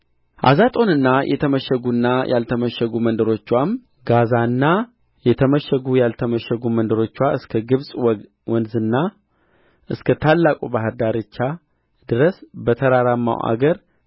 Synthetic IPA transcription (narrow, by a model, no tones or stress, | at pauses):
ʔa̰zat̪ʼo̞nɨnːajʔɛ̰t̪ʰəməʃɛɡunːajʔa̰lt̪ʰəməʃɛɡumənd̪əɾo̞t͡ʃːwam | ɡazanːa | jɛt̪ʰəməʃəɡujalt̪ʰəməʃəɡumənd̪əɾo̞t͡ʃːwaʔɨskʰəɡɨβsʼ | wɔnzɨnːa | ʔɨskʰət̪ʰalːakʼubaɦəɾd̪aɾɨt͡ʃːa | d̪ɨɾəsbət̪ʰəɾaɾamːa̰wa̰ɡəɾ